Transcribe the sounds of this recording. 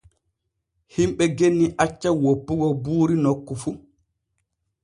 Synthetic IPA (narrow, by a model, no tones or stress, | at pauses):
himɓɛɡenːiʔat͡ʃːawopːuɡɔbuːɾinokːɔfu